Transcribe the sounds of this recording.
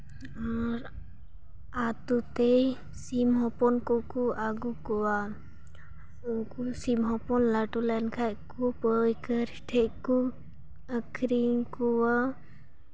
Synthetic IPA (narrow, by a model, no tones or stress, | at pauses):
aɾ | at̪ut̪ej | simɦɔpɔnkɔkuaɡukuwa | ukusimɦɔpɔnlaʈulankʰajkupəjkəɾʈʰɛʔku | əkʰɾiŋkuwa